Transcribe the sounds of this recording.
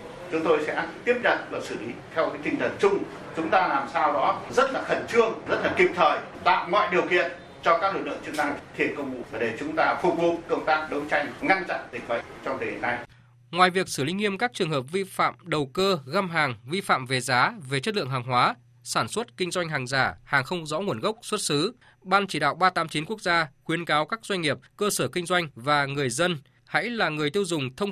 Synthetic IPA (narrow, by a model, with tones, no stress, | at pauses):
t͡ɕʊ˨˦ŋ͡mt̪o˧jsɛ̰˧˥t̪i˦˥əp̚za˨˩t̚vaː˨˩sɨ˧˩li˨˦t̪ʰɛ˧wkaː˨˦jt̪ï˧ŋ̟t̪ʰə˨˩nt͡ɕʊ˧ŋ͡m | t͡ɕʊ˨˦ŋ͡mt̪aː˧laː˨˩msaː˧wɗɔ˨˦zə˦˥t̚laː˨˩xə˧˩nt͡ɕɨ˧əŋzə˦˥t̚laː˨˩kï˨˩p̚t̪ʰəː˨˩j | t̪a̰ː˧˨wŋɔ̰ː˧˨jɗi˨˩əwkḭ˧˨ən | t͡ɕɔ˧kaː˦˥k̚lk̚lɨ̰˧˨t͡ɕɨ˧əna˧ŋt̪ʰḭ˨˩ən̚kə˧wŋ͡mmṵ˧˨a˨˩ɗe˧˨˩t͡ɕʊ˨˦ŋ͡mt̪aː˧fʊ˨˩k̚vu˧˨kə˧wŋ͡mt̪aː˦˥k̚ɗə˨˦wt͡ɕa˧jŋ̟ŋa˧nt͡ɕa̰˧˨nzï˨˩k̟̚ɓə̰˧˨ŋt͡ɕɔ˧wŋ͡mt̪ʰe˨˩˨ḭ˨˩na˧j | ŋwaː˨˩jvi˨˩ək̚sɨː˧˩lï̟˨˦ŋi˧əmkaː˦˥k̚t͡ɕɨ˨˩əŋɦəː˨˩p̚vi˧fa̰ː˧˨mɗə˨˩wkəː˧ɣaː˧mɦaː˨˩ŋvi˧fa̰ː˧˨mve˨˩zaː˨˦ve˨˩t͡ɕə˦˥t̚lɨ̰˧˨əŋɦaː˨˩ŋɦwaː˨˦ | saː˧˩nswə˦˥t̚kï˧ŋ̟zwa˧jŋ̟ɦaː˨˩ŋzaː˧˩haː˨˩ŋxə˧wŋ͡mzɔ̰˧˥ŋu˧˩ənɣə˦˥wk͡p̚swt̚sɨ˨˦ | ɓaː˧nt͡ɕi˧˩ɗa̰ː˧˨wɓaː˧t̪aː˨˦mt͡ɕi˨˦nku˦˥ək̚zaː˧xwi˨˦ənkaː˨˦wkaː˦˥k̚zwa˧jŋ̟ŋi˨˩əp̚kəː˧səː˧˩kï˧ŋ̟zwa˧jŋ̟vaː˨˩ŋɨ˨˩əjzə˧n | ha̰˧˥jlaː˨˩ŋɨ˨˩əjt̪i˧wzʊ˨˩ŋ͡mt̪ʰə˧wŋ͡m